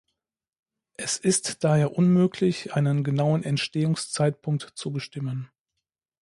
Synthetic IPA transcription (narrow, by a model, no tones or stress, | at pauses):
ʔɛsɪstd̥aːheːɐʔʊnmøːkʰlɪçʔaɪnənɡənaʊənɛntʃteːʊŋst͡saɪt̚pʰʊŋk̚tt͡subəʃtɪmən